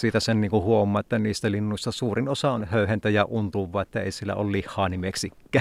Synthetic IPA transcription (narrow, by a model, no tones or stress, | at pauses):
siːt̪æsenniːŋkuhuomːˑɑːet̪ːæniːst̪ælinːuist̪ɑsuːrinosɑonhøˑyhent̪æjɑʔunt̪uʋːˑɑːet̪ːæḛˑisielːæ̰o̰llihːˑɑːnimeksikːæː